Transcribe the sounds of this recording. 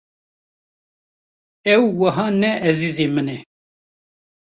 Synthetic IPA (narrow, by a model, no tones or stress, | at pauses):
ɛwːɐɦɑːnɛʔɛziːzeːmənɛ